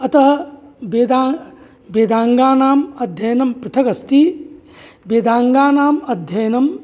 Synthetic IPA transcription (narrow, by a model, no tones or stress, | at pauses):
ɐt̪ɐɦɐbeːd̪aː | beːd̪aːŋɡaːnaːmɐd̪ʱjɐjɐnɐmpɾɪt̪ʰɐkɐst̪i | beːd̪aːŋɡaːnaːmɐd̪ʱjɐjɐnɐm